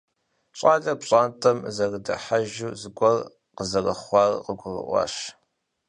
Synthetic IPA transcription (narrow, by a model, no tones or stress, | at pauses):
ɕʼɑːɮɐpɕʼaːntʰʼɐmzɐrdɐ̰ħaʒuːzɨɡʷɔr | qəzɐrɐ̰χʷɑːrqəɡʷʊrɨ̰ʔʷɑ̰ʃ